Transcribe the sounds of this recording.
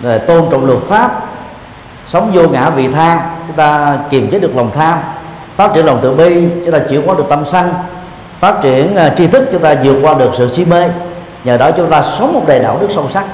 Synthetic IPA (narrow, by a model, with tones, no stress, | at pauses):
vo˨˩t̪o˧nt͡ɕɔ̰˧˨wŋ͡mlə˨˩t̚faː˦˥p̚ | sə˨˦wŋ͡mzo˧ŋa̰ː˧˥vḭ˧˨t̪ʰaː˧ŋt͡ɕʊ˨˦ŋ͡mt̪aː˧ki˨˩mzə˨˦ɗɨ˨˩ək̚lə˨˩wŋ͡mt̪ʰaː˧m | faː˦˥t̚t͡ɕi˧˥ənlə˨˩wŋ͡mt̪ɨ̰˧˨əɓi˧t͡ɕʊ˧˦ŋ͡mt̪aː˧t͡ɕi˧˩˥əwkwa˨˦ɗɨ˨˩ək̚t̪a˧msa˧ŋ | faː˦˥t̚t͡ɕi˧˩ənt͡ɕi˧t̪ʰɨ˦˥k̚t͡ɕʊ˨˦ŋ͡mt̪aː˧zɨ˨˩ək̚kwaː˧ɗɨ˨˩ək̚sɨ̰˧˨si˧me˧ | ɲəː˨˩ɗɔ˨˦˥t͡ɕʊ˦ŋ͡mt̪aː˧sə˨˦wŋ͡mmo˨˩t̚ɗe˨˩ɗa̰ː˧˨wɗɨ˦˥ək̚sə˧wsa˦˥k̚